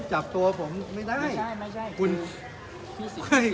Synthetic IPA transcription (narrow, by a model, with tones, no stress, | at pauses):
t͡ɕa˨˩p̚t̪u˧ɐpʰo˩˦mːa˥˩jda˥˩jja˥˩a˥˩kʰu˧n | kʰɤ˧˩